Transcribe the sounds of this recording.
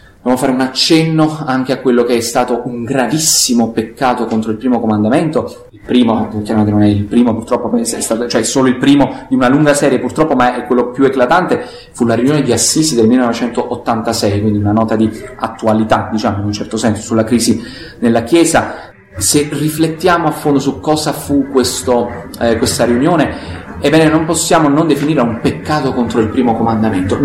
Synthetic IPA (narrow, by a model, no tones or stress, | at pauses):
d̪objamoafaːɾeunat͡ʃːɛnːoaŋk̟eakːwelːokeɛst̪aːt̪oʔuŋɡɾavisːimopekːaːt̪okont̪ɾoilpɾiːmokomand̪ament̪o | ilpɾiːmokjaɾamak̪enonɛilpɾiːmopurt̪ɾɔpːopɛsɛst̪aːt̪t͡ʃoɛsoːloilpɾiːmod̪iunaluŋɡasɛːɾjepurt̪ɾɔpːomaɛkːwelːopjueklat̪ant̪e | fulaɾjunjoːned̪iasːiːsid̪elmilːenɔvet͡ʃɛnt̪oʔot̪ːant̪asɛjkwind̪iunanɔːt̪ad̪iat̪ːualit̪ad̪it͡ʃaːmoinunt͡ʃɛrt̪osɛnso̥sulːakɾiːzi | nelːakjɛːza | serːiflet̪ːjaːmoafːond̪osukːɔːzafukːwest̪o | kwest̪aɾiunjoːne | ebːɛːnenomposːjaːmonond̪efiniːɾeumpekːaːt̪okont̪ɾoilpɾiːmokomand̪ament̪o